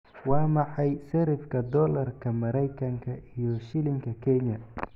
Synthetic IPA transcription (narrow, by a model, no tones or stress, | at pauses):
wɑːmɑħɑjsɛɾɪfkʰɐd̪ɔːlɐrkʰɐmɐɾɛjkʰɐŋkʰɐʔijɔʃɪlɪŋkʰɐkʰɛɲɐ